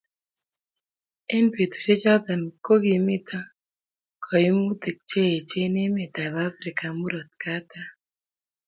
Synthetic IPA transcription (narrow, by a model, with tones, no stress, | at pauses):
ɛ˦npe˨t̪u̥˨t͡ʃe˦d͡ʒɔ˦da˨nko˦ɡi˨mɪ˦t̪ʰa˦ | kʰɔ˨ji˦mu˦d̪e˨k̚t͡ʃe˦je˨t͡ʃe˦nɪ˦mɪ˨t̪a˨βa˦fɾɪ˨ka˨mu˦ɾɔ˨t̪̚ka˦t̪a˦